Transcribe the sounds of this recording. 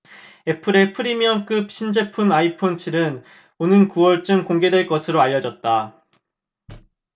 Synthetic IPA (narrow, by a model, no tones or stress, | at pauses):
e̞pʰɯɾe̞pʰɯɾimiʌŋk͈ɯp̚ɕ͈ʰind͡ʑe̞pʰunaipʰont͡ɕʰiɾɯn | onɯnkuwʌɭt͡ɕ͈ɯmkoŋɡe̞dwe̞ɭk͈ʌsʰɯɾoaʎːʌd͡ʑʌt̚t͈a